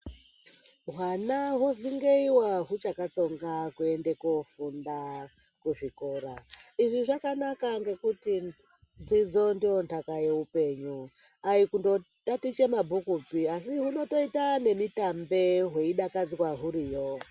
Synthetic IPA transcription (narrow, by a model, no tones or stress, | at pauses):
ɦwanaɦoziŋɡeiwaɦut͡ʃakat͡so̞ŋɡakue̞nde̞kofunda | kuʐikoɾaiʐiʐakanakaŋɡe̞kuti | d͡zid͡zo̞ndijo̞ntʰakaje̞upe̞ɲu | aikundo̞ | tatit͡ʃe̞mabʱukupiasiɦuno̞to̞itane̞mitambe̞ɦeiɗakad͡zkwaɦuɾiːjo